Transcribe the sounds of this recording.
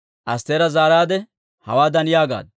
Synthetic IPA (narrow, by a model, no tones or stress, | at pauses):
ʔɐst̪eːɾɐzaːɾaːd̪ɛ | hɐ̰waːd̪ɐnɪjaːɡa̰ːd̪